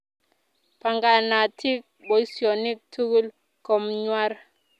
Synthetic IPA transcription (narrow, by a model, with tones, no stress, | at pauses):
pʰa˨ŋɡa˨na˨tʰi˦k̚ɓo˨i˦si˨ɔ˨ni˦k̚tʰu˦ku˦l | kɔ˨m̩ɲwa˦ɾa